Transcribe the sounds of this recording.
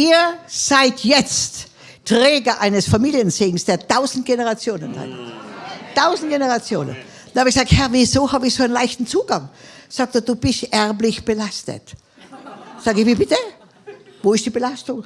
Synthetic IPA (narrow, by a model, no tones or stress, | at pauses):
ʔiːɐz̥aɪtjɛt͡st | tʁɛːɡɐʔaɪnəsfamiːljənzeːɡŋ̩sd̥eːɐtʰaʊzn̩t̚ɡ̥enəʁat͡sjoːnəna̰t | taʊzn̩t̚ɡ̥enəʁat͡sjo̰ːnə̰n | danhaːbɪçɡ̥zaːkthɛɐvizoːhaːbɪçsoːaɪnlaɪçtn̩t͡suːɡaŋsaːk̚ted̥uːb̥ɪstʔɛʁblɪçb̥əlastə̰t | saːɡɪçviːbɪtə | voːɪstd̥iːbəlastʊŋ